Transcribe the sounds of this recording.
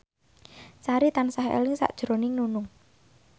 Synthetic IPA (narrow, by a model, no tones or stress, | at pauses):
saɾit̪ansaɦḛlɪŋsa̰ʔd̥ʒ̥ɾo̤nɪŋnunʊŋ